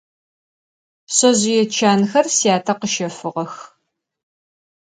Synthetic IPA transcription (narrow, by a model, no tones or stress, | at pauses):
ɕɐʑɪjɛt͡ʃʰaːnxɐrsijaːtʰɐqəʃɐfɨʁɐx